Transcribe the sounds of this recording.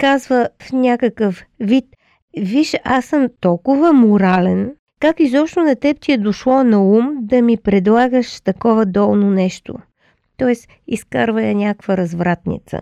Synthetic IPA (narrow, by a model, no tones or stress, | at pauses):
kazvəfnʲakəkəfvit̪ | viʃasəmt̪ɔlˠkʊvəmʊɾalɛn | kakizɔpʃnonɐt̪ɛp̚t̪ʲiɛd̪oʃlˠɔnɐumd̪ɐmipɾɛd̪lˠaɡəʃt̪ɐkɔvɐd̪ɔlˠnonɛʃt̪o̰ | t̪ɔɛs | iskaɾvɐjənʲakvəɾɐzvɾat̪nḭt̪sə̰